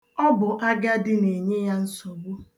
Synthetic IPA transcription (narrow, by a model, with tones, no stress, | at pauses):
ɔ˦bʊ˨ʔa˦ɡa˦dɪ˦ne˨ɲe˦ja˦n̩˦sɔ˨bu˦